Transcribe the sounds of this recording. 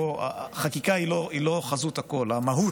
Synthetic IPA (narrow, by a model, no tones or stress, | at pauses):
oa̰χakikailoilo̞χazutako̞lamaɦu